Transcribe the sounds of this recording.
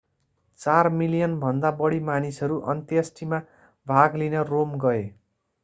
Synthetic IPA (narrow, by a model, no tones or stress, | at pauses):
t͡sarmiljʌnbʱʌnd̪abʌɽimanisʌɾuʔʌ̰nt̪iʌsʈima | bʱaɡlinʌromɡʌe